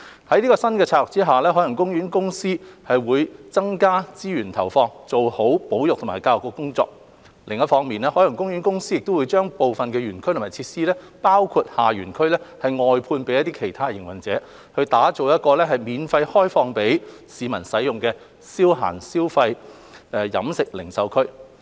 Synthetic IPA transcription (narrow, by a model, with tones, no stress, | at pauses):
hɐ˨˥jniː˥kɔː˧sɐ˥nkɛː˧t͡sʰaː˧lʊ˨k̚t͡siː˥ɦaː˨lɛː˥ɦɔː˨˥jɐ˨˩ŋkʊ˥ŋɥyː˨˥nkʊ˥ŋsiː˥hɐ˨jwuː˨˧jt͡sɐ˥ŋkaː˥t͡siː˥ɥyː˨˩nt̪ʰɐ˨˩wfɔː˧ŋt͡so˨who˨˥wpo˨˥wjʊ˨k̚t̪ʰʊ˨˩ma̰ː˨˩jkaː˧wjʊ˨kɔ˧kʊ˥ŋt͡sɔ̰ː˧k̚ | lɪ˨ŋɐ˥t̚fɔː˨˧˥ŋmiː˨˩nɛː˥hɔː˨˥jɐ˨˩ŋkʊ˥ŋɥyː˨˥nkʊ˥ŋsiː˥jɪ˨k̚t̪o˥wu˨˧jt͡ʃœː˥ŋpo˨wfɐ˨nkɛː˧jyː˨˩nkʰɥt̪ʰaː˨˩t͡sʰiː˧t̚siː˥lɛː˥ | paː˥wkʰu˧t̚haː˨ɥyː˨˩nkʰɵ˥ɥlɛː˥hɐ˨jŋɔː˨jpʰuː˧npe˨˥jɐ˥t̪i˥kʰe˨˩jt̪ʰaː˥˨jɪ˨˩ŋwɐ˨˩nt͡sɛː˨˥ | hɵ˧ɥt̪aː˨˥t͡so˨wjɐ˥t̚kɔː˧lɛː˥ɦɐ˨˩jmiː˨˧nfɐ˧jhɔː˥jfɔː˧ŋpe˨˥j | siː˨˧mɐ˨˩nsɐ˨˥jjʊ˨ŋkɛː˧ | siː˥wɦa̰ː˨˩nsiː˥wfɐ˧j | ɛː˧jɐ̰˨˥msɪ˨k̚lɪ˨˩ŋsɐ˨˧wkʰɵ˥ɥ